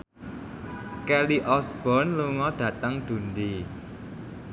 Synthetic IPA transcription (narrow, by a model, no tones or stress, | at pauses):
kɛliʔɔsb̥ɔ̤nluŋɔɖ̪̥ä̤t̪əŋd̪̥ṳnd̪i